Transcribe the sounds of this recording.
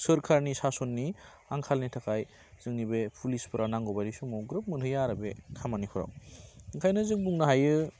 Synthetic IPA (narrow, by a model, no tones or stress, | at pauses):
sɯɾkʰaɾnisasonːi | aŋkʰalnitʰakʰaj | z̥ɯŋnibepʰulispʰɯɾanaŋɡɔbajɾisumɔɡɾɯp̚mɯntʰɯjaɾabekʰamanipʰɔɾa̰wɯŋkʰajnɯzɯŋbuŋnaɦajɯ